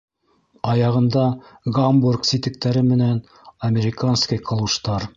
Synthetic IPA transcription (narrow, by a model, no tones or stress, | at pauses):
ɑjɑʁɤ̆nd̪ɑɡamburksit̪ɘ̆k̚t̪æɾɘmɘ̆næn | ɐmʲeɾʲɪkanskijqʰɤ̆lˠuʃt̪ɑɾ